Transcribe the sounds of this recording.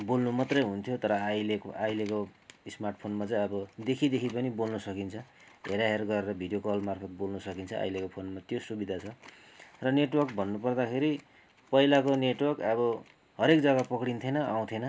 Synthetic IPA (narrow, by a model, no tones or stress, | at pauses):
bolnumat̪rʌjɦunt̪ʰjot̪ʌɾʌajlekajlekoismarʈpʰonmat͡saj̃ʌbʌd̪ekʰid̪ekʰipʌnibolnusʌkint͡sʰʌ | ɦeɾaɦerɡʌɾeɾʌbʱiɖijokʌlmarpʰʌt̪̚bolnusʌkint͡sʰʌʔa̰jlekopʰonmat̪josubid̪ʱat͡sʰʌ | rʌneʈwʌrkbʱʌnːupʌrd̪akʰeɾi | pʌilakoneʈwʌrkʌβʌ | ɦʌɾekd͡zʌɡapʌkɽint̪ʰenʌaw̃t̪ʰenʌ